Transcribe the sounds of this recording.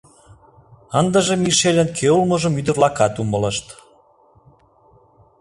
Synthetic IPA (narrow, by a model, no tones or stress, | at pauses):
ənd̪əʒemiʃelʲənkʰeulməʒəmyd̪ərlɑkɑt̪umələʃt̪